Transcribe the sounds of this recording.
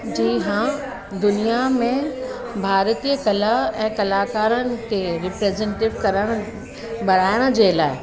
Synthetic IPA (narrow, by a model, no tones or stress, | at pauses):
d͡ʑiːɦã | d̪ʊnijamẽ | bʱaːɾt̪iːəkɐlaɛ̃ːkɐlaːkaːɾənɪ̆kʰeɾɪpɾeːzẽnʈɪʋkɐɾəɽ̃ | bɐɽ̤aːjəɽ̃əd͡ʑeːlaːɪ